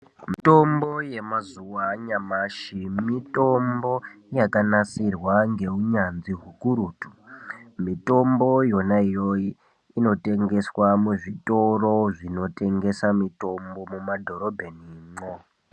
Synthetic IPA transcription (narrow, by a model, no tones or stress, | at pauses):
mito̞mboje̞mazuwaɲamaʃimito̞mbo̞jakanasirwaŋɡe̞uɲanziɦukuɾuːtu̥mito̞mbo̞jo̞naijoiː | no̞te̞ŋɡe̞swamuʐito̞ro̞ʐino̞te̞ŋɡe̞samito̞mbo̞mumadʱo̞ɾo̞bʱe̞nimo